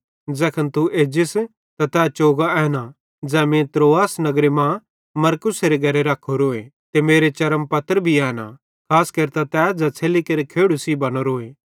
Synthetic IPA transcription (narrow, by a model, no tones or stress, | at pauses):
d͡zɛːkʰənt̪uʔeːd͡ʒɪs | t̪at̪ɛːt͡ʃoːɡaɛːna | d͡zɛːmẽt̪ɾoːaːsnɐɡɾemã | mɐɾkʊseɾeɡʱɐɾeɾaːkʰːoɾoːet̪emeːɾet͡ʃɐɾəmpɐt̪əɾbʱiɛːna̰ | kʰaːskɐɾt̪at̪ɛːd͡zɛt͡sʰeːlikɐɾikʰeːɽusibɐɽ̃oɾoːeː